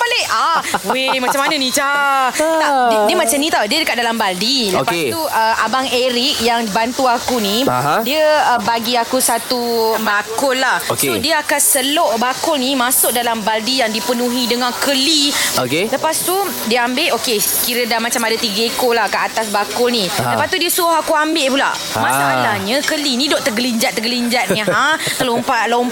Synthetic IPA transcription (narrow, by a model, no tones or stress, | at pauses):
paleawemmaamːanənĩt͡ʃa | t̪adiəmat͡ʃamnĩt̪audiədəkat̪̚dalambaldiləopaseuəa̰baŋeɾik̚jaŋbant̪uakunĩaɦadiəəbaɡiakusat̪ubakʊlːahosodiəakansəloʔbakʊlnimãsʊʔ̚dalambaldijaŋdipənũɦidəŋãnkəliokeləpast̪u | diəambeʔokekiɾədamat͡ʃamadat̪iɡəekolahkəʔat̪as̬bakʊlnĩləpast̪udiəsuʊhakuambɪʔpula̰ | maaalaɲəkəlinĩdoʔt̪əɡəliɲd͡ʒat̪ːəɡəliɲd͡ʒat̪̚ĩɦat̪əlompalom